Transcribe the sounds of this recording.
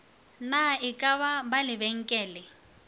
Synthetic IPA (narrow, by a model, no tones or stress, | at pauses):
naɪkʼaβabalɪbɛŋ̩kʼɛːlɪ